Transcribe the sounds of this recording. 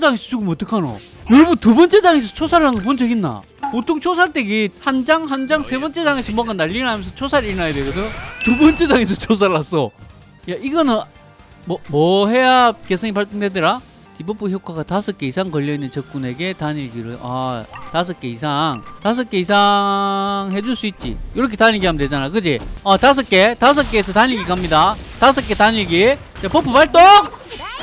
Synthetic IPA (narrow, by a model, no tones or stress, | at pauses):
d͡ʑaŋesʰʌt͡ɕuɡomot͈ɯkʰano̰ | joɾʌbɯntubʌnt͡ɕ͈e̞d͡ʑaŋes̬ʰʌt͡ɕʰosʰaɭːanŋɡʌp̬ont͡ɕʰʌɡinːa̰ | potʰoŋt͡ɕʰosʰaɭt͈eɡihand͡ʑaŋɦand͡ʑaŋsʰe̞bʌnt͡ɕ͈e̞d͡ʑaŋesʰʌmwʌŋɡanaʎːiɾnɦamjʌns̬ʰʌt͡ɕʰosʰaɾiɾinajedweɡʌs̬ʰʌotubʌnt͡ɕ͈ed͡ʑaŋes̬ʰʌt͡ɕʰos̬ʰaɾɭːas͈ʌ | jaiɡʌnɯn | mʌmʌɦe̞jake̞sʰʌŋip̬aɭt͈ʰɯŋdedɯɾa | t͡ɕibop͈uçjokʰaɡatasʰʌk͈e̞isʰaŋkʌʎːʌinːɯnt͡ɕʌk̚k͈une̞ɡe̞taɲiɭɡiɾɯʔa̰tas̬ʰʌk͈e̞is̬ʰaŋtas̬ʰʌk͈e̞isʰa | ŋɦe̞d͡ʑuɭs͈uit̚t͡ɕ͈ḭjoɾʌkʰetaɲiɭɡiɦamded͡ʑanajokɯd͡ʑiatas̬ʰʌk͈e̞tas̬ʰʌk͈es̬ʰʌtaɲiɡikamɲidatas̬ʰʌk͈e̞taɲiɭɡi | t͡ɕepʌpʰupaɭt͈oŋ